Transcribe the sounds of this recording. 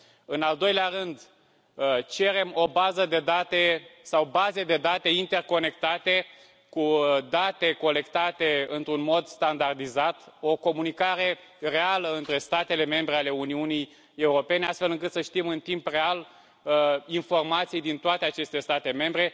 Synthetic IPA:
ɨnald̪o̞jleaɾɨnd̪ | t͡ʃe̞ɾe̞mo̞bazəd̪e̞d̪at̪e̞sawbazed̪e̞d̪at̪e̞int̪e̞rko̞ne̞kt̪at̪e̞ | kud̪at̪e̞ko̞le̞kt̪at̪e̞ɨnt̪ɾunmo̞d̪st̪and̪ard̪izat̪o̞ko̞munikaɾe̞ | re̞aləɨnt̪ɾe̞st̪at̪e̞le̞me̞mbɾeale̞uniunij | e̞uɾo̞pe̞neast̪fe̞lɨŋkɨt̪səʃt̪imɨnt̪impre̞al | info̞rmat̪sijd̪int̪oat̪e̞at͡ʃe̞st̪e̞st̪at̪e̞me̞mbɾe̞

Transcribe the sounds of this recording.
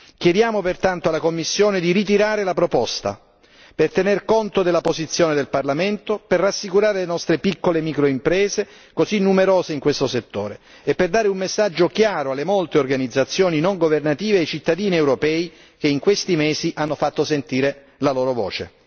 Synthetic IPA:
k̟jed̪jaːmopert̪ant̪oalːakomːisːjoːned̪iɾit̪̬iɾaːɾelapɾopɔst̪a̰ | pert̪enerkont̪od̪elːapozit̪sːjoːned̪elparlament̪operːasːikuɾaːɾelenɔst̪ɾepikːolemikɾoimpɾɛːze | kozinːumeɾoːzeiŋkwest̪oset̪ːoːɾeː | pːerd̪aːɾeumːesːad͡ʒːokjaːɾoalːemolt̪eorɡanid̪zːat̪sːjoːninoŋɡovernat̪iːveejt͡ʃit̪ːad̪iːniewɾopɛːi | k̟eiŋkwest̪imeːziʔanːofat̪ːosent̪iːɾe | laloːɾovo̰ːt͡ʃḛ

